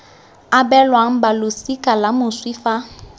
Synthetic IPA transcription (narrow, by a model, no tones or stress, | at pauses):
abɛlwaŋ̩balʊsikʼalamʊswifa